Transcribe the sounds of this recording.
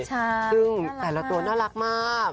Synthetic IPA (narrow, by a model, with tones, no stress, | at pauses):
t͡ɕːɯ˧ŋt̪ɛː˧˩la˦˥t̪u˧ənɔː˥˩la˦˥k̚maː˧˥˩